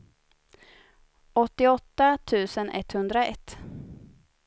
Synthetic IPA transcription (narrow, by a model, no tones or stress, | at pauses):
ɔt̪ːɪɔt̪ːat̪ʰʉ̟ːsənʔɛ̰t̪hɵnd̪ɾaɛ̰t̪ː